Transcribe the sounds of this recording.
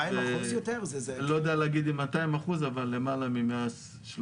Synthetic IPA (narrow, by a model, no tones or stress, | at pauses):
ajaosjot̪eʁzezelodejaleaɡid̪imat̪aimaχuzavalːemalamimea | ʃl